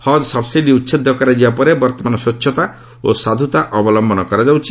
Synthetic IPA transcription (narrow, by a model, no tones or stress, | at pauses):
hɔd̪sɔbʰsiʈiutːʃʰed̪ʱːɔkaɾad͡ʒibapɔɾebɔɾt̪ɔmanɔsot͡ʃːʃʰɔt̪a | osad̪ʱut̪aʔɔbɔlɔmbɔnɔkɔɾad͡ʒawt͡ʃʰi